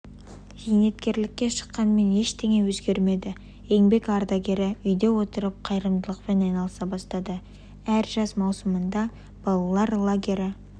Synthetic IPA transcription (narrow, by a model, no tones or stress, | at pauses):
ʒijne̞t̪kʲe̞ɾlɪkʲːe̞ʃə̥qːɑnme̞ne̞ʃt̪ʰe̞ŋe̞wɵzɡʲe̞ɾme̞d̪ɪ | e̞ŋbe̞kɑɾd̪aɡʲe̞ɾɪʏjd̪e̞wo̞t̪əɾəp̚qʰɑjɾəmd̪əlˠəqpe̞nɑjnɑlˠəsɑbɑst̪ɑd̪ə | æɾʒɑsmɑwsəmənd̪ɑ | b̥ɑlˠɑlˠɑɾlˠoɡʲeɾɪ